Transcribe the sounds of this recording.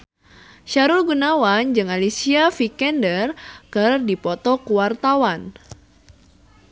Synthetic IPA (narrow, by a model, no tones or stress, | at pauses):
ʃaɾulɡunawand͡ʒɨŋalisiafikɛndərkɨrdipɔt̪ɔkuwart̪awan